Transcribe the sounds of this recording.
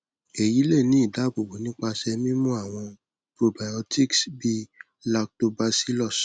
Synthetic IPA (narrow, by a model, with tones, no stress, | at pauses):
e˨ji˨˦le˦˨nĩ˨˦i˦˨da˨˦ɡ͡bo˨bo˨˦nĩ˦k͡pa˧ʃɛ˧mĩ˦mũ˦a˦˨w̃ɔ̃˧ | pɾo˨ba˨jɔ˧tʰi˦˨ksbi˦ | la˧k̚to˧ba˦˧si˨˦lɔ˦˨s